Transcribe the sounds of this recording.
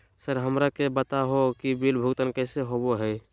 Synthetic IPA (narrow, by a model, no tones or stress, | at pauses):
səɾɦəmɾakebət̪aɦokibilbʱuɡt̪ənkɛɪseɦoboɦɛj